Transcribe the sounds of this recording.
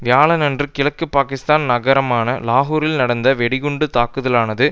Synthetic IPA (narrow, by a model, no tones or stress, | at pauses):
ʋɪjaːɭɐnɐndrɯkɪɭɐkːɯpaːkɪst̪aːnnɐɣɐɾɐmaːnɐlaːɦuːɾɪlnɐɽɐnd̪ɐʋɛɽɪɣʊɳɖɯt̪aːkːɯðɐlaːnɐðɯ